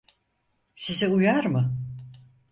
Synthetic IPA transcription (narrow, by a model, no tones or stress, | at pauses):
siziujaɾmɯ